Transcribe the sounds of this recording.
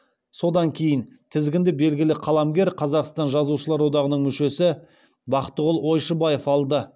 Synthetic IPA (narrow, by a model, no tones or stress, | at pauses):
so̞d̪ɑŋkʲʰe̞jɪnt̪ʰɪzɡʲɪnd̪ɪbe̞lɡʲɪlɪqʰɑlˠɑmɡʲe̞ɾqʰɑzɑqst̪ɑnʒɑzuʃəlˠɑɾwo̞d̪ɑʁənəɴmʏʃe̞sɪ | bɑqət̪ːəʁʊlˠo̞jʃəbɑje̞fɑlˠd̪ə